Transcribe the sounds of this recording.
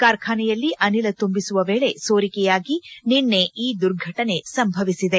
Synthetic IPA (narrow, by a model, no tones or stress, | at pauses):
kaːɾkʰaːnɛjɐlːiʔɐnilɐt̪umbisuʋɐʋeːɭe̞soːɾikɛjaːɡininːe̞ʔiːd̪uɾɡʱɐʈɐne̞sɐmbʱɐʋisid̪e̞